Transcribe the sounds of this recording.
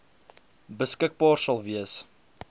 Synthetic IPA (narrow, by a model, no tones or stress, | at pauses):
bəskək̚bɑːrsɐlˠviəs